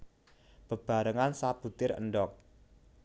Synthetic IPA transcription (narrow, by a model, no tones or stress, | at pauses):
b̥ə̤b̥a̤ɾəŋansaput̪ɪɾə̰nɖɔk̚